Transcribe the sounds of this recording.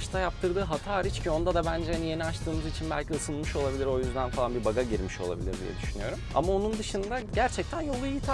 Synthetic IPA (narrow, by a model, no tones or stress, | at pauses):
ʃt̪ʰajap̚t̪ʰɯɾd̪ɯːɦat̪ʰaːɾit͡ʃcʰio̞nd̪ad̪abænd͡ʒɛhanije̞niat͡ʃt̪ʰɯːmɯzit͡ʃʰinbæ̰lʲciɯsɯnˠmɯʃo̞lˠabilʲiɾo̞jyzd̪ænfalˠanbibaɡaɟiɾmiʃo̞lˠa̰bḭlʲiɾd̪ḭjɛ̰d̪yʃynyjo̞ɾuma̰mao̞nund̪ɯʃɯnd̪aɟæɾt͡ʃʰɛc̚t̪ʰænjo̞lˠuijit̪ʰa